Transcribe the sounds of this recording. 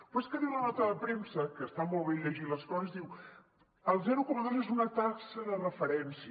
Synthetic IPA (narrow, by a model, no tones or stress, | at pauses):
fweskəðiwlənɔt̪əðəpɾemsəkəːst̪amɔlˠβeʎəʒiləskɔzəzðiw | əlˠzɛɾukɔməðozezunət̪aksəðərəfəɾɛnsi